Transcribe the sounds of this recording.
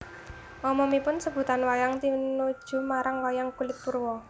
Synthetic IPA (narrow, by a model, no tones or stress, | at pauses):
ɔmɔmipʊnsəb̥ṳt̪anwajaŋt̪inud̥ʒ̥ṳmaɾaŋwajaŋkulɪt̪̚purwɔ